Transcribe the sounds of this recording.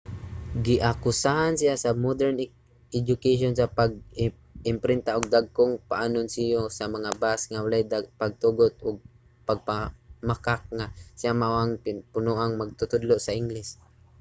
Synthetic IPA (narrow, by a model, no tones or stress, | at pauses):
ɡɪʔakʊsahansijasamod̪ɛɾn | ɛd͡ʒʊkeʃonsapaɡ̚ | ɪmpɾɪnt̪aʔʊɡ̚d̪aɡ̚kʊŋpaʔanʊnsijosamaŋabasŋawalajd̪apaɡ̚t̪uɡʊt̪ʊɡ̚ | paɡ̚pamakak̚ŋasijamaʔaŋɪpʊnuʔaŋmaɡ̚t̪ʊt̪ʊd̪lʊʔsaʔɪŋlɪs